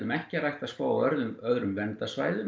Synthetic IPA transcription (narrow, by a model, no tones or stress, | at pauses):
ʏmɛhcɪrajht̪askoːwœɾðʏnœðɾʏmvɛnt̪asvaːjðʏ